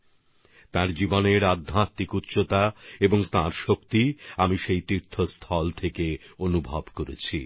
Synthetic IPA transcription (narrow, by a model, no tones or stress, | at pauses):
t̪aɾd͡ʑiboneɾad̪ʱːãt̪ːikutːɕot̪aeboŋt̪aɾʃokt̪iamiʃejt̪iɾt̪ʰost̪ʰɔlt̪ʰekeonubʱɔbkoɾḛt͡ɕʰi